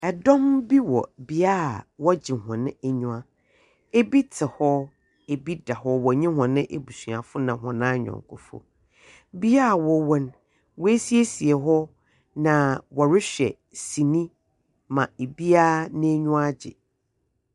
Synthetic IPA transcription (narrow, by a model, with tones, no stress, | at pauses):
ɛ˨dɔ̃˦mbi˦wɔ̰˨bi˦a˦˨wɔ˦d͡ʑɪ̃˨ɦɔ̃˨nɪ̃˦ɛ˨ɲũ˦ã˦ | e˦bi˦tʰɪ˨hɔ˦ | e˨bi˦da˨hɔ˦wɔ˨ɲĩ˦ɦʊ̃˨nɪ̃˦ʔe˨bu˨su˨a˨fʊ˦nã˨ɦɔ̃˨nãː˦ɲᶣɔ̰̃˨ŋ˨kʰʊ̰˨fʊ̰˦ | bi˦a˦˨wɔ˨wɔ̃˦n | wɔ˦e˦si˦e˦si˨ɛ˨ɦɔ˦ | nã˨wɔ˨ɾɪ˦ɕᶣɛ̰˨ | sĩ˨nĩ˦ | mã˨e˨bi˦a˦nɪ̃˦ɲũ˦a˦d͡ʑɪ̰˨